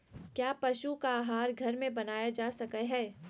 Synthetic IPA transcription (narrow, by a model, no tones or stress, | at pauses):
kjaːpɐʃukaːɦaːɾɡʱɐɾmẽbɐnaːjad͡ʒaːsɐkəɦɛː